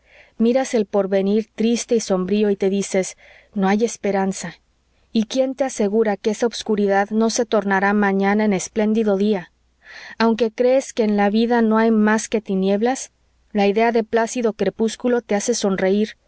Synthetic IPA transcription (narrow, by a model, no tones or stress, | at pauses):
miɾase̞lpo̞ɾβe̞niɾt̪ɾist̪e̞iso̞mbɾio̞it̪e̞ðise̞s | no̞aje̞spe̞ɾansa | ikje̞nt̪e̞ase̞ɣuɾakee̞saoβskuɾiðaðno̞se̞t̪o̞ɾnaɾamãɲãnaene̞sple̞nd̪iðo̞ðia | awŋke̞kɾe̞ːske̞ːnlaβiðano̞ajmaske̞t̪inje̞βlas | laiðe̞aðe̞plasiðo̞kɾe̞puskulo̞t̪e̞ase̞so̞nre̞iɾ